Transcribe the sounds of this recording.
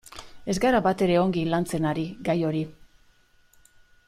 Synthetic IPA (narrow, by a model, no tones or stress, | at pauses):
e̞zɡaɾabat̪e̞ɾe̞o̞ŋɡilant͡se̞naɾiɡajo̞ɾi